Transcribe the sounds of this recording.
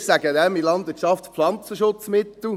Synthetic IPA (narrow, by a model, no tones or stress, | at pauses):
sæɡədɛmilɑnd̪ʋɪʃɑftpflɑnt͡səʃʊt͡smɪt̪l̩